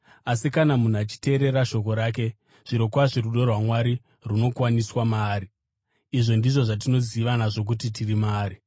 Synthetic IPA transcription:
asikanamun̤uat͡ʃi̥te̞ːɾe̞ɾaʃo̞ko̞ɾaːk̬e̞ | ʐ̥iɾo̞kwaʐiɾuɗo̞rwamwaɾi | runo̞kwaniswamaːɾi | iʐo̞ndiʐo̞ʐat̬ino̞ziʋanaʐo̞k̬utitirimaːɾi

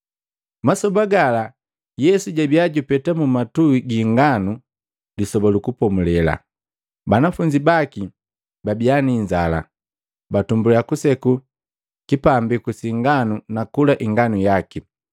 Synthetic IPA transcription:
masɔbaɡala | jɛsuɟabiaɟupɛtamumatuiɡiŋɡanu | lisɔbalukupɔmulɛla̰ | banafuɲd͡ʒibaki | babianiɲd͡ʒala̰ | batumbulɛjakusɛku | kipambikusiŋɡanunakulaʔiŋɡanujaki

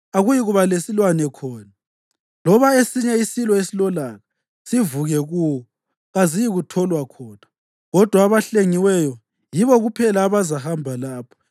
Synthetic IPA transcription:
aɣujiɣuβalesilwanɛkʰɔːna | lɔβaesiɲɛisilɔesilɔlaɣa | sivuɣɛɣuːwɔ | ɣazijiɣutʰɔlwakʰɔːna | ɣɔd̥ʱwaːβaɬeŋiwɛjɔ | jiβɔɣupʰɛlaːβazahambʱalaːpʰɔ̥

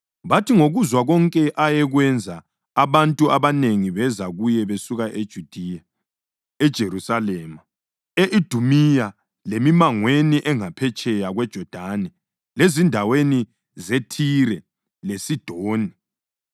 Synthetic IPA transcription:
βatʰiŋoɣuzwaɣɔŋkʼɛʔajɛɣwɛnd͡zʱaː | βantʼuaβaneŋiβɛzaɣujɛβesuɣaʔed̥ʒ̥ʱud̥ʱija | ɛd̥ʒ̥ʱeɾusalɛːma | eʔid̥ʱumija | lemimaŋweniʔɛŋapʰɛt͡ʃʼɛjaɣwɛd̥ʒ̥ʱɔd̥ʱanɛ | lezindʱaweni | zetʰiɾɛ | lesid̥ʱoːni

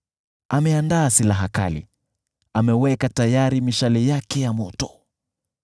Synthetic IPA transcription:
amɛandaːsilaɦaka̰lḭ | amɛwɛkatajaɾimiʃalɛjakɛjamɔtɔ̥

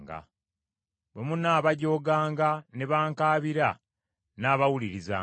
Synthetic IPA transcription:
ɡa̰ | bwe̞munaːβaɟo̞ːɡaːŋɡane̞βaːŋkaːβiɾa | naːβawuliɾiza̰ː

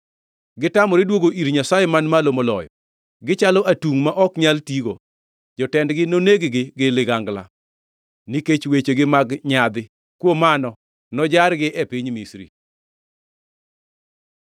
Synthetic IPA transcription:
ɡɪtamɔɾɛdwoɡoʔiɾɲasajɛmanmalomolɔ̰jɔ | ɡɪt͡ʃalɔʔatuŋmaʔɔkɲaltiɡo | d͡ʒɔtɛndɡɪnoneɡɡɪɡɪlɪɡaŋɡla̰ | niket͡ʃwet͡ʃeɡɪmaɡɲad̪ɪ | kwomanɔ | nɔd͡ʒaɾɡɪʔɛpiɲmisɾḭ

